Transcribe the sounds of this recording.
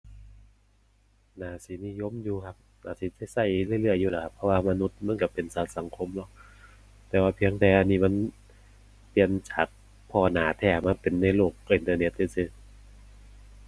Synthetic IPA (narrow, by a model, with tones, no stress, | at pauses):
naː˨˦si˨˦ni˧˨jo˧˥˨mjuː˧kʰa˧p̚naː˨˦siː˨˦t͡ɕa˧˩jsa˧˩jlɯ˧˩˨jlɯ˧˩əjːuː˧la˨˦kʰa˧pʰːɔ˧waː˧ma˧nu˦˥t̪̚ma˧˥˨nka˧˩pe˨nsa˨˦sa˨˦ŋkʰo˧˥mlɔ˧˦˥k̚ | t̪ɛː˧˩waː˧pʰi˧əŋdɛː˧˩ʔa˧nːiː˧˩ma˧˥˨n | t̪i˧ənt͡ɕaː˨˩k̚ | pʰɔː˧˩naː˨˩˦t̪ʰɛː˧˩ma˧˥˨pe˨nːa˧˩jloː˧˩k̚ʔi˨˧nt̪ɤː˧ne˦˧˥t̪̚ki˧˩si˧˩